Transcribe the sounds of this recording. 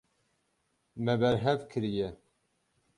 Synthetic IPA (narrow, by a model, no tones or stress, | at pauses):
mɛbɛɾɦɛvkʰɨɾijɛ